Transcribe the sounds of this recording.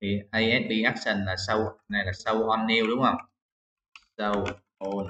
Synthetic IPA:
t̪ʰi˨˩ha˧jʔɛ˦˥t̚ɗi˧ʔaː˦˥k̚sə˨˩nlaː˨˩sə˧wna˨˩jlaː˨˩sə˧whɔ˧nːi˧wɗʊ˨˦ŋ͡mhə˧˩wŋ͡m | sə˧w | ʔo˧

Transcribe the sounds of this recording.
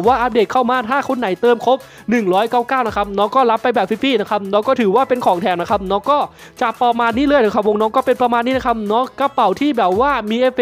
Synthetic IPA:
waː˥˩ʔa˧p̚deː˨˩t̚kʰa˥˩wmaː˧t̪ʰaː˥˩kʰo˧nːa˩˦jt̪ɤː˧mkʰo˦˥p̚ | nɯ˨˩ŋɾɔː˦˥jkaː˥˩wkaː˥˩wna˦˥kʰa˦˥p̚nɔː˦˥kɔː˥˩la˦˥pːa˧jbɛː˨˩p̚fʰi˦˥fiː˥˩na˦˥kʰa˦˥p̚nɔː˦˥ŋkɔː˥˩t̪ʰɯː˩˦waː˥˩pe˧nkʰɔː˩˦ŋt̪ʰɛː˧na˦˥kʰa˦˥p̚nɔː˦˥kɔː˥˩ | t͡ɕa˨˩paː˧maː˧nːiː˥˩lɤː˧˩˨jna˦˥kʰa˦˥p̚wo˧ŋnɔː˦˥ŋkɔː˥˩pe˧npɾa˧maː˧nːiː˦˥na˦˥kʰa˦˥p̚nɔː˦˥ka˧˩pa˨˩wt̪ʰiː˥˩bɛː˨˩p̚waː˥˩miː˧ʔeː˧˥fe˧

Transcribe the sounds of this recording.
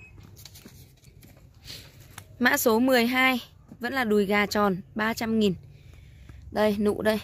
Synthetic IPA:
ma̰ː˧˥so˨˦mɨ˨˩əjɦaː˧j | və̰˧˥nlaː˨˩ɗu˨˩jɣaː˨˩t͡ɕɔ˨˩nɓaː˧t͡ɕa˧mŋi˨˩n | ɗə˧˩jnṵ˧˨ɗə˧j

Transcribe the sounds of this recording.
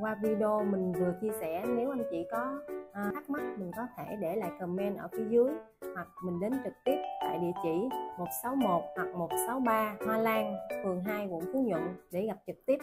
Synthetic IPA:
kwaː˧vi˧ɗo˧mï˨˩ŋ̟vɨ˨˩ət͡ɕi˧əsɛ̰˧˩˨ne˨˦wʔa˧ŋt͡ɕḭ˧˨kɔ˨˦ʔːaː˦˥k̚ma˦˥t̚mï˨˩ŋ̟kɔ˨˦t̪ʰe˧˩ɗe˧˩la̰ː˧˨jkə˨˩mɛ˧nʔəː˧˩fi˨˦zɨ˨˦əj | hwa˨˩k̚mï˨˩ŋ̟ɗe˨˦nt͡ɕɨ˨˩k̚t̪i˦˥əp̚t̪a̰ː˧˨jɗḭ˧˨ət͡ɕḭ˧˨mo˨˩t̚sa˨˦wmo˨˩t̚hwa˨˩k̚mo˨˩t̚sa˨˦wɓaː˧maː˧laː˧ŋfɨ˨˩əŋɦaː˧jvʊ̰˧˥ŋ͡mku˨˦ɲʊ̰˧˨ŋɗe˧˩ɣa˨˩p̚t͡ɕɨ˨˩k̚t̪i˦˥əp̚

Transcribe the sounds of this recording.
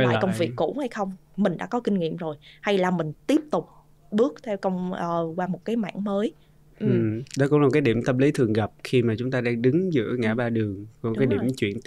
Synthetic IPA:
aː˨˩˨kə˧wŋ͡mvi˨˩əkːṵ˧˥ha˧jxə˧wŋ͡mmï˨˩ŋ̟ɗa̰ː˧˥kɔ˨˦ki˧ŋ̟ŋḭ˧˨əmzo˨˩jha˧jlaː˨˩mï˨˩ŋ̟t̪i˦˥əp̚t̪ʊ˨˩k͡p̚ | ɓɨ˦˥ək̚t̪ʰɛ˧wkə˧wŋ͡mʔəː˨˩kwaː˧mo˨˩t̚kaː˨˦jma̰ː˧˨nməː˨˦j | ʔɨ˩˨˩ɗɔ˨˦kʊ̰˧˥ŋ͡mla˨˩kːaː˨˦jɗi˧˩əmt̪ə˧mli˨˦t̪ʰɨ˨˩əŋɣə˨˩p̚xi˧maː˨˩t͡ɕʊ˨˦ŋ͡mt̪aː˧ɗaː˧ŋɗɨ˨˦ŋzɨ̰˧˥əŋa̰ː˧˩ɓaː˧ɗɨ˨˩əŋkkːjɗḭ˧˩əmt͡ɕwḭ˧˨ən

